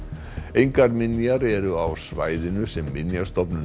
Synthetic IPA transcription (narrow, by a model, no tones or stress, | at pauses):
ejŋkaɾmɪnjaɾɛɾʏawsva̰ːjðɪnʏsɛmːɪnjḁst̪ɔpnʏ